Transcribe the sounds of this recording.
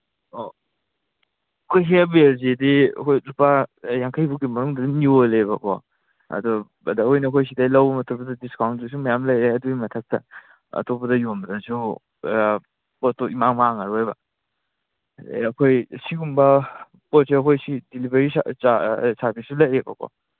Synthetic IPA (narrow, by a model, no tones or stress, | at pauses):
o | kʰojɦebelzidiɐ̰kʰojlupajaŋkʰajbukimɐɾuŋdɐdiniolejbɐkʰɔ̰ | ɐ̰dɔ | ɐdaojnɐkʰojs̬idalɐwbɐmɐtʰupɐdɐdiskawnzus̬umɐjamlajeɐduɡimɐtʰak̚tɐ | ɐ̰topɐdɐjombdasu | potoimaŋmaŋaɾajbɐ̰ | ɐkʰojsiɡumbɐ | pɔseɐkʰojsidilibeɾiasabisulaebɐ̰kʰɔ̰